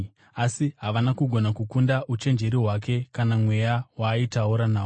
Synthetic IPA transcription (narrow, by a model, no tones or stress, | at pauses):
asiɦaʋanakuɡʱo̞nakukundaʔut͡ʃe̞nd͡ʒe̞ɾiɦwake̞kanamwe̞jawaːitauɾanaː